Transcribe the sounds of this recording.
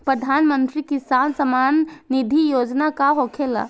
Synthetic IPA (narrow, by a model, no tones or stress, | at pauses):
pɾəd̪ʱaːnmə̃nt̪ɾikisaːnsəmaːnːid̪ʱijoːd͡ʒnakaɦokʰela̰